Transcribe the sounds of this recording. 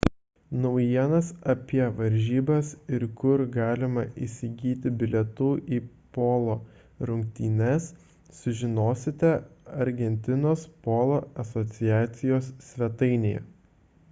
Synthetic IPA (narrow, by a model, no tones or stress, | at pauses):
nɐʊjiɛnɐsɐpʲiɛʋɐɾʲʒʲiːbɐsɪɾkʊɾɡɑːlʲɪmɐʔḭsʲɪɡʲiːt̪ʲɪbʲɪlʲɛt̪uːʔiː | poːlˠoː | ɾʊŋʲk̚t̪ʲiːnʲɛs | sʊʒʲɪnoːsʲɪt̪ʲɛɐɾʲɡʲɛnʲt̪ʲɪnoːspoːlˠoːɐsɔt̪sʲɪjæːt̪sʲɪjoːsːʲʋʲɛt̪ɐɪnʲejɛ̰